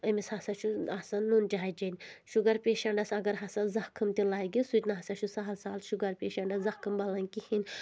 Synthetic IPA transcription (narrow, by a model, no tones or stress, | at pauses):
ɐmishɐsɐt͡ʃʰuɐsɐnːund͡ʒaːjd͡ʒɐnʲʃuɡɐɾpʲeːʃɐɳɖɐsɐɡɐɾɦɐsɐzɐhkʰɨmt̪ʲilaːɡʲisut̪ʲnɐɦɐsɐt͡ʃʰusaɦɐlsaːlʃuɡɐɾpʲeːʃɐɳɖɐzɐkʰɨmbɐlɐnʲkihinʲ